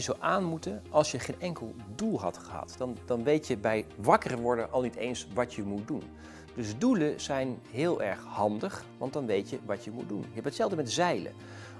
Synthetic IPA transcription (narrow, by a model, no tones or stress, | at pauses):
əzowʔaːnmutəʔɑlˠsjəχejnɛŋkəlˠdulˠɦɑ̰tχəɦɑ̰td̥ɑnd̥ɑnʋejtjəbɛjʋɑkərəʋʊɹdənʔɑlˠnitejnsʋɑtjəmut̚dun | d̥ɵzduləz̥ɛjnɦɪːlˠɛ̰ɹχhɑndəχʋɑ̰ntdɑnʋejtjəʋɑtəmud̚dunjəɦɛpətsɛlˠvdəmɛtzɛjlə̰